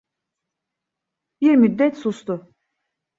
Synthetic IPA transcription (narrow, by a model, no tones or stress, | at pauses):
biɾmyd̪ːɛt̪sust̪ʊ